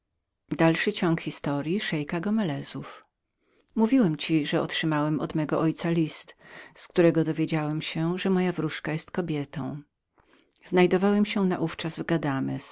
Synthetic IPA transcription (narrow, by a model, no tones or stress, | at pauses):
d̪alʂɘt͡ɕɔŋkxʲist̪ɔɾjiʂɛjkaɡɔmɛlɛzuf | muvʲiwɛmt͡ɕiʐɛɔ̰tʂɘmawɛmɔd̪mɛɡɔʔɔjt̪salʲist̪skt̪uɾɛɡɔd̪ɔvʲjed͡ʑawɛmɕɛʐɛmɔjavɾuʂkajɛst̪kɔbʲjɛt̪ɔ̰̃w̃ | z̥najd̪ɔvawɛmɕɛna̰ʔuft͡ʂazvɡad̪amɛs